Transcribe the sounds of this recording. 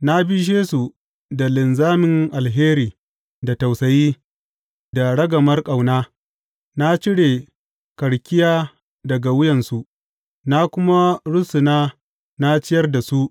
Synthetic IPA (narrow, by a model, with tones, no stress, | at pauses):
na˦bɪ˦ʃ̬eː˦su˨ | da˨lɪ˨nzaː˦mɪ˨ŋʔa˨lɦeː˦ɾiː˨ | da˨ta˨wsɐ˨jiː˦ | da˨ɽɐ˦ɡɐ˨mɐ˦rkʼa˨wnaː˦ | na˦t͡ʃɪ˦ɽe˨ | kɐ˨ɽkʲɪ˦jaː˦ | dɐ˨ɡa˨wʊ˦jɐ˨nsu˨ʔ | na˦kʷʊ˦ma˦ɽʊ˦sʊ˨naː˦ | na˦t͡ʃɪ˦jɐ˦rda˨su˦ʔ